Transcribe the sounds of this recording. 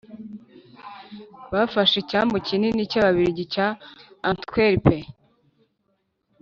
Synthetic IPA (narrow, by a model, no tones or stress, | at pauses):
βafaʃecaːmbocininicaβaβiɾiɟicaantkweɾipʰe